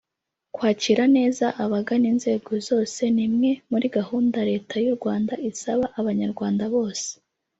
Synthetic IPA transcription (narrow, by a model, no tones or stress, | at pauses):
kwaːciːɾane̞ːzaʔaβaɡaniːnze̞ːɡo̞zo̞ːse̞nimŋe̞muɾiɡahuːndaɾe̞ːtʰajuɾɡwaːndaʔisaβaʔaβaɲaɾɡwaːndaβo̞ːse̥